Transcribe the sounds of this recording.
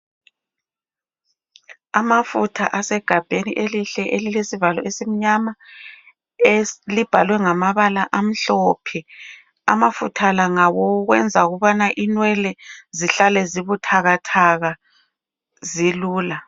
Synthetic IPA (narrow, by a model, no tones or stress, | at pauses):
amafutʰaʔasɛɡ̥ʱab̥ʱenḭʔeliɬɛʔelilesivalɔ̰esim̩ɲama | lib̥ʱalwɛŋamaβalaʔam̩ɬɔːpʰɛ | a̰mafutʰalaŋawɔuɣwɛnd͡zʱaɣuβanaʔinwɛlɛziɬalɛziβutʰaɣatʰaɣa | ziluːla